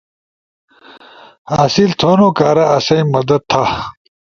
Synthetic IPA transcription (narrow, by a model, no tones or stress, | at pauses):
aːsilt̪ʰoːnoːkaːɾɐɐsɐĩmɐd̪ɐd̪̚t̪ʰa